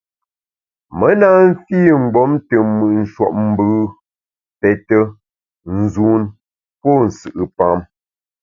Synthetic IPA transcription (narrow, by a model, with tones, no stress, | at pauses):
mə˦na˦m̩˦fiː˦ŋ̩˨ɡ͡bɔ˨˦mtə˨mɨ˨ʔn̩˨ʃwɔ̰˨ʔ̚m̩˦bɨ˦ | pɛ˨tə˦ | n̩˨zu˦n | pɔ˦˨n̩˨sɨ˨ʔɨ˨pa˦m